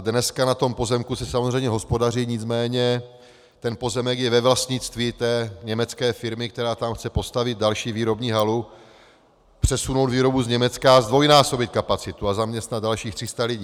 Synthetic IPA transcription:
dnɛskanat̪o̞mpo̞zɛmkusɛsamozr̝ɛjmɲɛɦo̞spo̞dariːɲɪt͡smɛːɲɛ | t̪ɛnpo̞zɛmɛkjɛvɛvlast̪ɲɪt͡st̪viːt̪ɛːɲɛmɛt͡skɛːfɪɾmɪk̚t̪ɛɾaːt̪amxt͡sɛpo̞st̪avɪd̪̚dalʃiːviːɾo̞bɲiːɦalu | pr̝̥ɛsuno̞wd̪viːɾo̞buzɲɛmɛt͡skazd̪vo̞jnaːso̞bɪt̪̚kapat͡sɪt̪uazamɲɛst̪nad̪̚dalʃiːxt̪r̥ɪst̪alɪɟiː

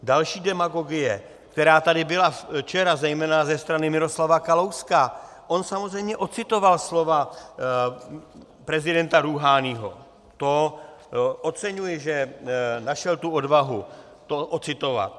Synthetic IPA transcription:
dalʃiːdɛmaɡo̞ɡɪjɛ | kt̪ɛɾaːt̪adɪbɪlaft͡ʃɛɾazɛjmɛːnazɛst̪ɾanɪmɪɾo̞slavakalo̞wska | ʔo̞nsamozrɛjmɲɛʔo̞t͡sɪt̪o̞valslo̞va | pɾɛzɪdɛnt̪aɾuɦaːniːɦo̞̰ | t̪o̞ | ʔo̞t͡sɛɲujɛʒɛnaʃɛlt̪uo̞dvaɦu | t̪oʔot͡sɪt̪o̞va̰t̪̚

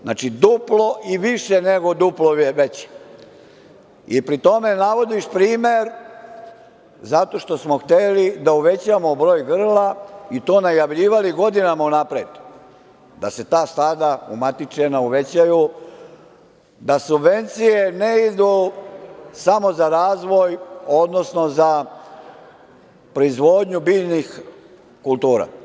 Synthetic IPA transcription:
na̰ːt͡ʃid̪uplo̞ʔiʋiʃeneɡo̞d̪uploeʋet͡ɕi̥ | ipɾit̪o̞me̞naʋo̞d̪iʃpɾiːmeɾ | zat̪o̞ʃt̪o̞smo̞xt̪elid̪auʋe̞t͡ɕamobɾo̞ːjɡr̩lait̪o̞ːnajaʋʎiːʋaliɡo̞d̪inamaunapɾeːd̪u | d̪ase̞t̪aːst̪aːd̪aṵmat̪it͡ʃenauʋe̞t͡ɕaju | d̪asubʋe̞nt̪sije̞neid̪u | samo̞zaɾaːzʋo̞jo̞d̪no̞sno̞za | pɾo̞izʋo̞ːd̪ɲubiːʎnix | kulˠt̪uːɾa̰

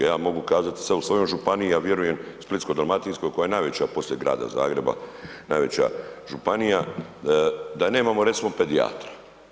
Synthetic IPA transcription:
jaːmo̞ɡukaːzat̪i̥sʋeusʋojomʒupanijjaːʋje̞ɾuje̞msplit̪ko̞d̪ɾomat̪insko̞jkojajenajʋe̞t͡ɕapo̞sljeɡɾa̰ːd̪a̰za̰ːɡɾe̞ba̰najʋe̞t͡ɕa̰ʒupanija | d̪ane̞ːmamo̞ɾet̪simo̞pe̞d̪ia̰ːt̪ɾḁ

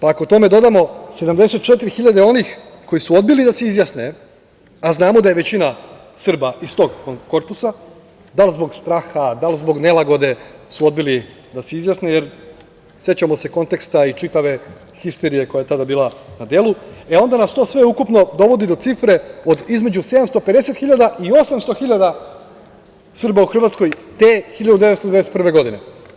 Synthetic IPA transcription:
paakot̪o̞me̞d̪o̞d̪amo̞se̞d̪amd̪ese̞t̪̚t͡ʃe̞t̪iɾixiʎad̪e̞o̞nix | ko̞jisuo̞d̪̚bilid̪ase̞izjasne | aznaːmo̞d̪ajeʋet͡ɕina | sr̩baʔist̪o̞ɡko̞ɾpusa | d̪alzbo̞ɡst̪ɾaːxad̪alˠzbo̞ɡne̞lˠaɡo̞d̪e̞suo̞d̪̚bili | d̪aseizjasnejeɾ | sje̞t͡ɕamo̞se̞ko̞nt̪e̞kst̪ait͡ʃit̪aʋe̞ | xist̪e̞ɾije̞ko̞jajet̪ad̪abiːlˠanad̪je̞ːlˠueo̞nd̪anast̪o̞ːsʋe̞ukupno̞d̪o̞ʋo̞d̪id̪o̞t̪sifɾe̞o̞d̪izme̞d͡ʑuse̞d̪amst̪o̞ped̪e̞se̞t̪xiʎad̪aio̞samst̪o̞xiʎad̪a | sɨr̩bauxr̩ʋat̪sko̞jt̪exiʎad̪ud̪eetst̪od̪eaeset̪prɾʋe̞ɡo̞d̪ine̞

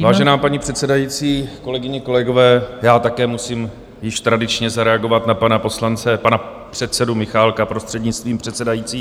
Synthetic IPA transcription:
vaːʒɛnaːpaɲipr̝̥ɛt̪sɛdajiːt͡siːko̞lɛɡɪɲɛko̞lɛɡo̞vɛːjaːt̪akɛːmusiːm | jɪʃt̪ɾadɪt͡ʃɲɛzaɾɛaɡo̞vat̪napanapo̞slant͡sɛpana | pr̝̥ɛt̪sɛdumɪxaːlkapɾo̞st̪r̥ɛdɲɪt͡st̪viːmpr̥ɛt̪sɛdajiːtt͡siː

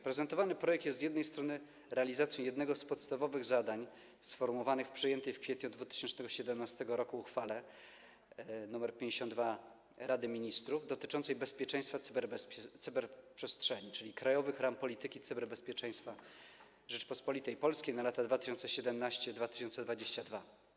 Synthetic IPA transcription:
pɾɛzɛnt̪ɔvanɘpɾɔjɛk̚t̪jɛst̪zjɛd̪nɛjst̪ɾɔnɘ | ɾɛalʲizat̪sʲjɔ̃jɛd̪nɛɡɔspɔt̪st̪avɔvɘɣzad̪aɲ | sfɔɾmuɔvanɘxfpʂɘjɛnt̪ɛjfkfʲɛt̪ɲud̪vut̪ɘ̥ɕɛnt͡ʂnɛɡɔɕɛd̪ɛmnast̪ɛɡɔɾɔkuːxfalɛ | numɛɾpʲjɛ̃ɲd͡ʑeɕɔnd̪va | ɾad̪ɘmʲiɲist̪ɾuvd̪ɔt̪ɘ̥t͡ʂɔnt̪sɛjbɛspʲjɛt͡ʂɛ̃j̃st̪fat̪sbɛɾbɛt̪sɘbɛɾpʂɛstʂɛɲit͡ʂɘlʲikɾajɔvɘxɾampɔlʲit̪ɘkʲit̪sɘbɛɾbɛspʲjɛt͡ʂɛ̃j̃st̪fa | ʐɛt͡ʂpɔspɔlʲit̪ɛjpɔlskʲejnalat̪ad̪vat̪ɘ̥ɕɔnt̪sɛɕɛd̪ɛmnaɕt͡ɕɛd̪vat̪ɘ̥ɕɔnt̪sɛd̪vad͡ʑeɕt͡ɕad̪va

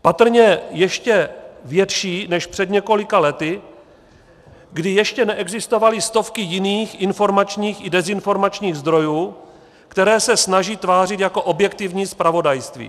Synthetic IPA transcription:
pat̪r̩ɲɛjɛʃcɛvjɛt̪ʃiːnɛʃpr̝̥ɛd̪ɲɛko̞lɪkalɛt̪ɪ | ɡdɪjɛʃcɛnɛʔɛɡzɪst̪o̞valɪst̪o̞fkɪjɪniːxʔɪnfo̞ɾmat͡ʃɲiːxɪdɛzɪnfo̞ɾmat͡ʃɲiːɣzd̪ɾo̞juː | kt̪ɛɾɛːsɛsnaʒiːt̪vaːrɪt̪jako̞ʔo̞bjɛkt̪ɪvɲiːspɾavo̞dajst̪vḭː

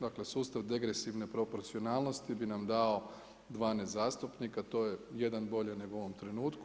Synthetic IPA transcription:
d̪akle̞suːst̪aʋd̪e̞ɡɾesiʋne̞pɾo̞poɾt̪sio̞naːlˠno̞st̪ibinamd̪ao̞ | d̪ʋaːnezaːst̪upnikat̪o̞ːjeje̞d̪anbo̞ʎene̞ɡo̞ʋo̞mt̪ɾe̞nuːt̪ku

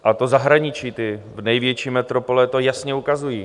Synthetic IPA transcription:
ʔat̪ozaɦɾaɲɪt͡ʃiːt̪ɪ | vnɛjvjɛt͡ʃiːmɛt̪ɾo̞po̞lɛt̪o̞jasɲɛukazujiː

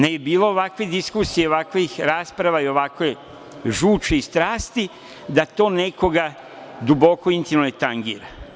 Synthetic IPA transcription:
nejebiːlo̞oʋakʋed̪iskusijeoʋakʋixɾaːspɾaʋaio̞ʋakʋej | ʒuːt͡ʃeist̪ɾaːst̪i | d̪at̪o̞ːne̞ko̞ɡa | d̪ubo̞koint̪imnojet̪aŋɡiːɾa

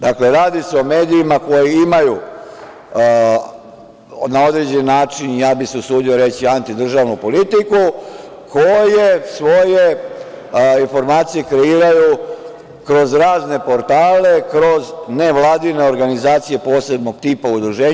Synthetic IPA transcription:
d̪akle̞ɾaːd̪iseo̞me̞ːd̪iːmako̞jiimaju | nao̞d̪ɾe̞d͡ʑe̞nːaːt͡ʃinijaːbiseusuːd̪io̞ɾe̞t͡ɕiant̪id̪r̩ʒaːʋnupo̞lit̪iku | ko̞je̞sʋo̞je̞ | info̞ɾmaːt̪sije̞kɾe̞iːɾaju | kɾo̞zɾaːzne̞po̞ɾt̪aːle̞kɾo̞zne̞ʋlˠaːd̪ine̞o̞ɾɡanizaːt̪sije̞po̞ːse̞bno̞ɡ̚t̪iːpaud̪ɾuʒe̞ː

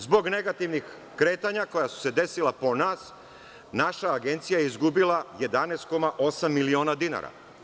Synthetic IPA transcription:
zbo̞ɡne̞ɡat̪iʋnix | kɾe̞ːt̪aɲako̞jasu̥se̞d̪e̞silˠapo̞naːs | naʃaːɡe̞nt̪sijajeizɡubilˠaje̞d̪anest̪̚ko̞maʔo̞samːilio̞ːnad̪ina̰ɾa̰

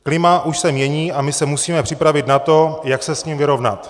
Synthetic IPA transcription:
klɪmaʔuʃsɛmɲjɛɲiːʔamɪsɛmusiːmɛpr̥ɪpɾavɪt̪nat̪o̞jaksɛsɲimvɪɾo̞vna̰t̪

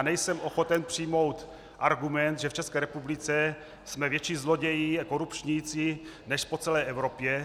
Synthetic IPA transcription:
nɛjsɛmʔoxot̪ɛnpr̝̥ijmo̞wt̪ | ʔaɾɡumɛnt̪ʒɛft͡ʃɛskɛːɾɛpublɪt͡sɛ | smɛvjɛt͡ʃiːzloɟɛjiako̞ɾupt͡ʃɲijt͡si | nɛʃpot͡sɛlɛːʔɛvɾo̞pjɛ

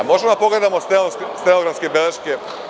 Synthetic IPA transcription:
mo̞ʒemod̪apo̞ɡle̞d̪amost̪elosst̪eloɡɾanskebeleʃke

